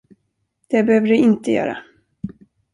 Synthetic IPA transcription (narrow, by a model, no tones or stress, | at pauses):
d̪̥ɛbɛhøːvəɖɵɪnt̪əjœ̰ːɾa̰